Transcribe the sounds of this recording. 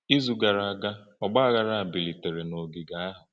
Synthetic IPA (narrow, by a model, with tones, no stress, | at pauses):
i˦zu˨ɡa˨ɾa˨a˨ɡa˦ɔ˨ɡ͡ba˦a˦ɣa˨ɾa˦a˨bi˨li˨te˨ɾe˨no˨ɡi˨ɡa˨a˦ɦʊ˨